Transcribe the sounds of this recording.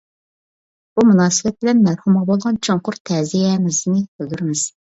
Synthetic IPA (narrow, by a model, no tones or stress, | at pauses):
b̥umunɑːsɨbɛt̪̚bɪlɛnmæɾhumʁɑbolˠʁɑnt͡ʃʰoŋqʰʊɾt̪ʰɛːzijɛmɪznɪbøɡ̪ʲyɾmɪz̥